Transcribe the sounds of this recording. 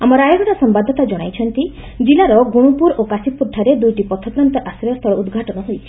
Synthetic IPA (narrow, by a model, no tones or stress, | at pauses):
amɔɾajɔɡɔɾasɔmbad̪ʱɔt̪ad͡ʒɔɽ̃ajt͡ʃʰɔnt̪i | d͡ʒilaɾɔɡuɽ̃upuɾokasipuɾʈ̪ʰaɾed̪ujʈipɔt̪ʰɔpɾant̪ɔʔasɾɔst̪ʰɔɭɔud̪ɡʱaʈɔnɔɦojt͡ʃʰi̥